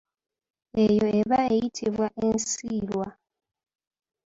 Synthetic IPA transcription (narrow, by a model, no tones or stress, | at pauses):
e̞jo̞eβaejitʰiβwaʔensiːlwa